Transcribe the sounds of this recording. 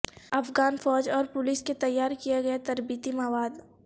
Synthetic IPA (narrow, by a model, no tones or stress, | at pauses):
ɐfɡaːnfɔːd͡ʒɔːɾpʊlisket̪ɐjːaːɾkijaɡɐjat̪ɐɾbiːt̪imɐʋaːd̪